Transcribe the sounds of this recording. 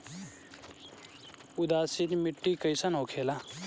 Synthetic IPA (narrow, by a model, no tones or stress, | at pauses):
ʊd̪aːsinmɪʈːiːkəisanoːkʰeːla